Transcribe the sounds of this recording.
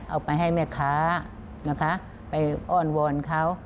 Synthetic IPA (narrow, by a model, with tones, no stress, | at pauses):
ʔa˧wpa˧jɦa˥˩jmɛː˥˩kʰaː˦˥ | na˦˥˩kʰa˦˥ʔ | pa˧jʔɔː˥˩nwɔ˧nkʰa˦˥˩w